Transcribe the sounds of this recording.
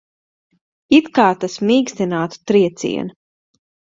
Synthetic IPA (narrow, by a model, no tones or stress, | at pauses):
it̪kaːɾt̪asmiːkst̪inaːt̪u̥t̪ɾiɛt̪sḭɛn